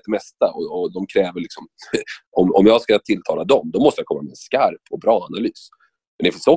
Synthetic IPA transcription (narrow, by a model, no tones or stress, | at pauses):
t̪d̪ɛmɛst̪aɔɔd̪ɔmkʰɾɛːvəɭɪksɔmɔmɔ̰mjɑːskat̪ʰɪlt̪ʰɑːlad̪ɔmd̪ɔmɔst̪əjakʰɔmːa̰mɛɛnskaɾpɔbɾɑːanalyːs | mɛnɛfəsɔ